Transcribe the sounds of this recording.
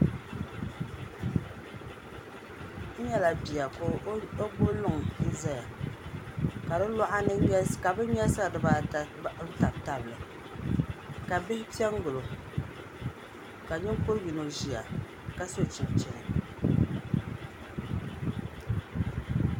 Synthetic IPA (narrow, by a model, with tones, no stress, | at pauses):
ɲɛ˦la˨bi˨a˨ko˦o˦bo˦lʊ˦˨ŋ̩˦za˦ja˨ | ka˨dɨ˦la˦ʔa˦nɨ˦ɲɛ˦ka˨bɨ˦ɲ˦ɛ˦sa˦˨dɨ˨ba˨˦ | ta˨bta˨blɨ˨ | ka˨bɪ˦hɪ˦pi˦ɛ˦ŋ˦ɡʊ˨lo˨ | ka˨ɲɪ˦ŋkʊ˦ɾwi˨no˨ʒi˨a˨ | ka˦so˦t͡ʃi˨bt͡ʃɛ˨nɨ˨